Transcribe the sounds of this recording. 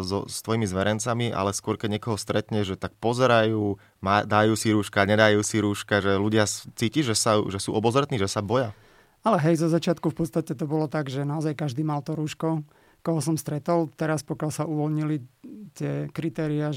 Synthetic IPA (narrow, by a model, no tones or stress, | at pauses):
zɔ̰st̪ʋɔjimizʋɛɾɛnt͡samiʔa̰lɛskʊɔɾkɛɟɲɛkɔɦɔst̪ɾɛt̪ɲɛʒʒɛt̪ak̚pɔzɛɾajuː | mad̪ajuːsiɾuːʃkaɲɛd̪ajuːsiɾuːʃkaʒɛluɟɪat͡siːciʒɛsaʒɛsuːʔɔbɔzɾɛt̪niːʒɛsabɔja | alɛɦɛjzɔzat͡ʃɪat̪kufpɔt̪st̪acɛt̪ɔbɔlɔt̪aɡʒɛnaɔzajkaʒd̪iːmalt̪ɔɾuːʃkɔ | kɔɦɔsɔmst̪ɾɛt̪ɔlt̪ɛɾaspɔkɪalsauʋɔlɲilit̪ɪɛkɾit̪ɛːɾia